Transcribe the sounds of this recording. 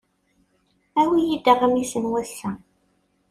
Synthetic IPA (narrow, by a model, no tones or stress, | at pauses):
æwijid̪əʁəmisənwæsːæ